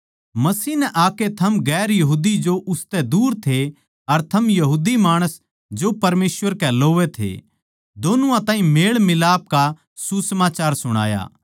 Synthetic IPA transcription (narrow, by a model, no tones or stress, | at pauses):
mɐsiːnɛʔaːket̪ʰɐmɡɛːɾjɐɦuːd̪id͡ʒoʔʊst̪ɛd̪uːɾt̪ʰe | ɐɾt̪ʰɐmjɐɦuːd̪imaːɽ̃əs | d͡ʒopɐɾmeːsʋəɾkɛloːʋet̪ʰḛ | d̪oːnuãt̪ãːɦĩmeːɭmɪlaːp̚ka | susɐmaːt͡ʃaːɾsʊɽ̃a̰ːja̰ː